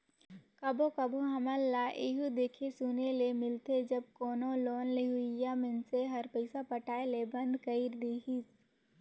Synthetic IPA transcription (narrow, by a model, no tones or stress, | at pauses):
kɐbokɐboɦɐməlːaʔeɦud̪eːkʰesunelemɪlt̪ed͡ʒɐb̚koːnoloːnleɦuijamɪnseɦɐɾpəɪsapɐʈʰaːelebɐ̃nd̪kəɪɾd̪eːkis